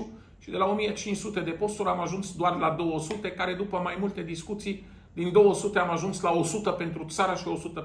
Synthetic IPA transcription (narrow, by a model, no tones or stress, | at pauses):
u | ʃid̪e̞lao̞mijet͡ʃint͡ʃsut̪e̞d̪e̞po̞st̪uɾʲamaʒunsd̪oarlad̪o̞wəsut̪e̞kaɾe̞d̪upəmajmult̪e̞d̪iskut̪sij | d̪ind̪o̞wəsut̪e̞amaʒunslao̞sut̪əpe̞nt̪ɾut̪saɾaʃio̞sut̪ə